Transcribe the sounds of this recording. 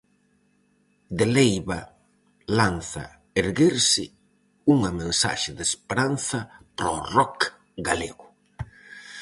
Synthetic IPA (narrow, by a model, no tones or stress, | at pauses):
d̪elejβa | lanθɐ̰ | eɾɣeɾsɪ | uŋɐmẽnsa̰ʃɪðespeɾan̟θɐpɾɔ̰rɔk | ɡaleɣʊ